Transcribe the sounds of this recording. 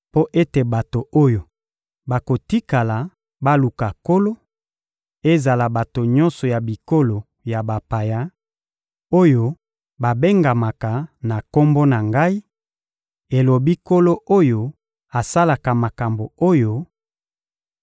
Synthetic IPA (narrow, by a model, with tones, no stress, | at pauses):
po˦ʔe˦te˨ba˨to˨ʔo˦jo˨ | ba˨ko˨ti˦ka˨la˨ | ba˦lu˨ka˨ko˦lo˦ | e˦za˨la˨ba˨to˨ɲɔ̃˦nsɔ˨ja˨bi˨ko˦lo˨ | ja˨ba˨pa˨ja˦ | o˦jo˦ | ba˨be˦ŋɡa˨ma˨ka˨na˨ko˦mbo˦na˨ŋɡa˦i˦ | e˨lo˨bi˦ko˦lo˦ʔo˦jo˦ | a˨sa˦la˨ka˨ma˨ka˨mbo˨o˦jo˦